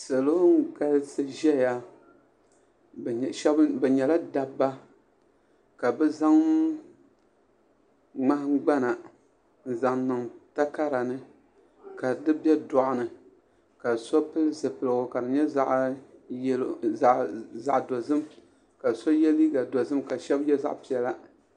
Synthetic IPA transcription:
sa˨lo˦ŋ˦ɡa˦lsɨ˦ʒɛ˦˨ja˦˨ | ʃɛ˦bbɛ˨ɲɛ˨la˦da˦bːa˦ | ka˨bɛ˦za˦ŋ | ŋ͡ma˦ɡ͡ba˦na˨ | n̩˨za˨ŋnɨ˨ŋta˦ka˦ɾa˨nɨ˦ | ka˨dɨ˦bɛ˦dɔ˨ʔʊ˨nɨ˨ | ka˨so˦pɨ˦lzɨ˨pɨ˨lɨ˨ɡʊ˨ka˨dɨ˨ɲɛ˦za˦ʔ | za˨ʔdo˨zɨ˦m | ka˨so˦jɛ˦li˦ɡa˨do˨zɨ˦mka˨ʃɛ˦bjɛ˦za̰˦ʔpi˨ɛ˨la˦

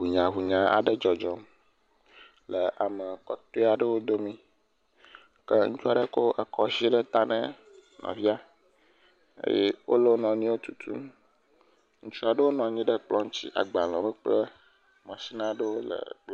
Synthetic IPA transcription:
ɦu˨ɲã˨ɦu˨ɲã˨a̰˨ɖə˦d͡ʒɔ˨d͡ʒɔ˦m | lə˨ʔa˨mə˨kɔ˨t̪o˦a˨ɖə˦wo˦d̪o˦mĩ˦ | kə˦ŋu˦t͡ʃu˦a˨ɖə˦ko˦ʔə˨kʰɔ˦si˦ɖə˦t̪a˦nə̰̃˦ | nɔ̰̃˨vi˦a˦ | ḛ˦je˦wo˦lo˦nɔ̃˨nĩ˦wo˦t̪u̥˨t̪ʰṵ˦m˦ | ŋũ˦t͡ʃu˦a˨ɖə˦wo˦nɔ̃˨ɲĩ˦ɖə˦k͡plɔ˦ŋ˦t͡ɕḭ˦ʔa̰˨ɡ͡ba˨l̃ɔ̃˨bə˦k͡plə˦ | mã˨si˦nã˦ɖə˦wo˦lə̰˨k͡p

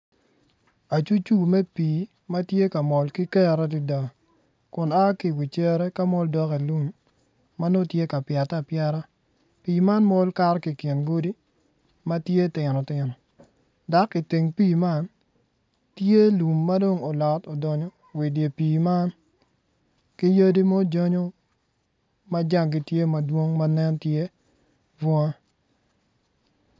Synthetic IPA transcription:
a˨t͡ʃu˦t͡ʃu˦mɛ˦piː˨ | ma˦tje˦ka˨mɔ˨lki˦kɛ˦ɾɛ˦di˨da˨ | kʊ˨na˦ki˨wi˨t͡ʃɛ˦ɾɛ˦ka˦mɔ˦ldɔ˦ke˨lu˦mː | a˦no˦tje˦ka˨pja˨ta˦˨pjɛ˦ɾa˦ | piː˨ma˦nmɔ˦lka˦ɾki˨kɪ˨nɡo˦di˦ | ma˦tje˦tɪ˨nɔ˨tɪ˨nɔ˨ | da˨˦kːi˨ti˨ŋpi˦˨ma˦n | tje˦lu˨mːa˦do˦ŋo˨lɔ˨to˨dɔ˨ɲɔ˨ | wi˨dje˨piː˨ma˦n | ki˦jə˦di˦mo˦d͡ʒo˦ɲo˦ | ma˦d͡ʒa˦˨ŋɡi˦tje˦ma˨dwo˦ŋma˦nɛ˦ntje˦ | vwɔ˦ŋa˦

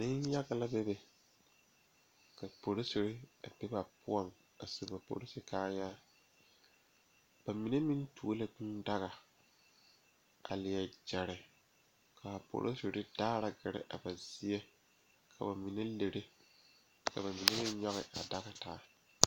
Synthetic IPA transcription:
nɪ˦n˦ja˦ɡa˨la˦bɛ˦bɛ˨ | ka˨po˨ɾo˦so˨ɾɪ˦a˨bɛ˦ba˨pʊ˦ɔ˦n | a˨se˨ba˨po̰˨ɾo˦sɪ˨kaː˦jaː˦ | b̥a˨mi˨ne˦mɪ̃˦ntu˨o˦la˦˨ɡu˦nda˦ɣa˨ | a̰˨lɪ˨jɛ˨d͡ʒɛ˨ɾɪ˨ | kʰa˨po̰˨ɾʔo̰˦so˨ɾɪ˦daː˦ɾa˨ɡɪ˨ɾɪ̰˦ʔa̰˨ba˨zɪ˦jɛ˦ | kʰa˨ba˨mi˨ne˦le˨ɾe˦ | ka̰˨ba˨mi˨ne˦mɪ̃˦ɲɔ˦ɣɪ̰˨ʔa̰˨da˦ɣa˨taː˨˦

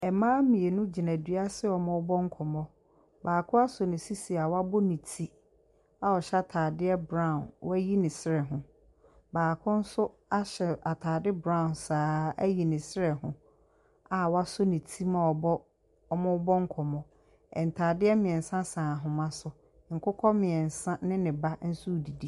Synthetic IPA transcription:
ɛ˨mãː˦mĩ˨e˨nʊ̃˦d͡ʑi˨nã˨dɥa˦sɪ˦ɔ˨mʊ̃˦ʊ˦bɔ˦ŋ̩˦kʰɔ˨mɔ̃˦ | baː˨kʰʊ˦a˦sʊ˨nɪ̃˨si˦si˨a˨wa˦bʊ˦nĩ˨tʰi˦ | a˨ɔ˨ɕa˦tʰaː˨dɪ˦ɛ˦bɾã˦˨nwɔ˦æ˦ji˦nɪ̃˨sɪ˦ɾɛ˨ɦʊ̃˨ | baː˨kʰʊ̃˦n̩˦sʊ˦ | a˦ɕɛ˨a˨tʰaː˨dɪ˦bɾã˦˨nsaː˨˦æ˦ji˨nɪ̃˨sɪ˦ɾɛ˨ɦʊ̃˨ | a˨wa˦sʊ˦nĩ˨tʰi˦mã˨ɔ˨bɔ˦ | ɔ˦mʊ̃˦bɔ˦ŋ̩˦kʰɔ˨mɔ̃˦ | ɛ˨n˨tʰaː˨dɪ˦ɛ˦mɪ̃˨ɛ̃˨n̩˨sã˦sãː˨ɦʊ̃˨mã˦sʊ˨ | ŋ̩˨kʰʊ˦kʰɔ˦mɪ̃˨ɛ˨n˨sã˦nɪ̃˦nɪ̃˨ba˦n̩˦su˦˨di˨di˦˨

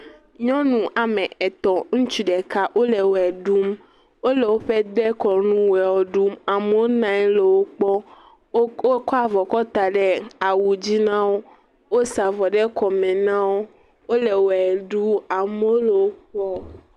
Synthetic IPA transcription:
ɲɔ̃˦nũ˨ʔa˨mɛ̃˨ɛ˨t̪ɔ˨ŋũ˦t͡ʃu˦ɖɛ˨ka˦ʔo˦le˨wo˨ɛ˨ɖu˦m | wo˦le˨wo˦ɸe˦d̪ɛ˦kɔ˨ɾnũ˦wɛ˨wɔ˨ɖu˦ma˨me˦wo˦nã˨˦le˨wo˦k͡pɔ˦ | o˦kɔ˦a˨vɔ˨kɔ˦t̪a˨ɖɛ˦a˨wu˨d͡ʑi˦nã˦wo˦ | wo˦sa˨vɔ˨ɖɛ˦kɔ˨mẽ˨nã˦wo˦ | wo˦le˨wo˨ɛ˨ɖu˦a˨me˦o˦le˨wo˦ɸɔ˦

